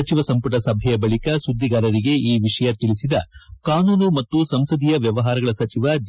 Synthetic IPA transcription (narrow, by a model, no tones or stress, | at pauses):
ɐt͡ʃiʋɐsɐmpuʈɐsɐbʱɛjɐbɐɭikɐsud̪ːiɡaːɾɐɾiɡe̞iːʋiʂɐjɐt̪iɭisid̪ɐkaːnuːnumɐt̪ːusɐmsɐd̪ijɐʋjɐʋɐɦaːɾɐɡɐɭɐsɐt͡ʃiʋɐd͡ʒ